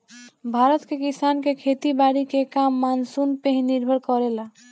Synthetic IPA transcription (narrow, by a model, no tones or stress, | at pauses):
bʱaɾət̪kekisankekʰet̪ibaɽikekamːansunpẽɦiniɾbʱəɾkɔɾela